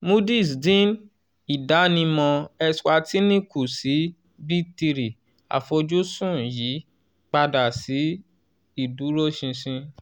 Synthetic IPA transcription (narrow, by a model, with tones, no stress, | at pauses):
mu˦di˦˨sdĩ˦n | i˨da˨˦nĩ˧mɔ̃˧ɛ˧swa˧ti˦nĩ˦ku˨si˨˦ | bi˦ti˧ɾi˨ | a̰˨fo˧d͡ʒu˦sũ˦˨ji˨˦ | k͡pa˧da˨si˨˦ | i˦˨du˨˦ɾo˦ʃĩ˧sĩ˧